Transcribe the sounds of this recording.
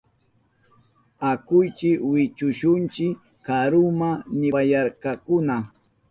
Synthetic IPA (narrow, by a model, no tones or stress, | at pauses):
akʊjt͡ʃɪkwɪt͡ʃʊʃʊnt͡ʃɪkː | aɾʊmanɪajaɾkakʊna